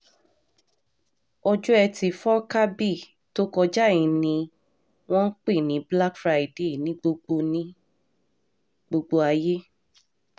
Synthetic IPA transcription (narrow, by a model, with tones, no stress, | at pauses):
ɔ˧d͡ʒu˦ɛ˧ti˧˨fɔ˦ka˦bi˦˨ | to˦kɔ˧d͡ʒa˦˨ĩ˨nĩ˧ | w̃ɔ̃˦n̩˦k͡pe˦˨nĩ˨˦bla˦kfɾa˧i˨de˦˨nĩ˨˦ɡ͡bo˧ɡ͡bo˧nĩ˦ | ɡ͡bo˧ɡ͡bo˧a˧je˦